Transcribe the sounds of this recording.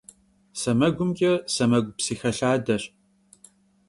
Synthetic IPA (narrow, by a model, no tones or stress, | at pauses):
sɐmɐɡʷʊmkʲʼɐsɐmɐɡʷpsiːxɐɬaːdɐɕ